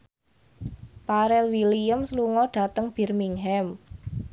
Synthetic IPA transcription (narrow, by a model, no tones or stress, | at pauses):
paɾɛlwiliəmsluŋɔɖ̥ä̤t̪əŋb̥i̤rmiŋɦɛm